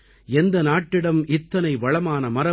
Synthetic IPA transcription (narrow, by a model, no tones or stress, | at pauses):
ɛnd̪ɐnaːʈːɪɽɐmʔɪt̪ːɐnɐɪʋɐɭɐmaːnɐmɐɾɐ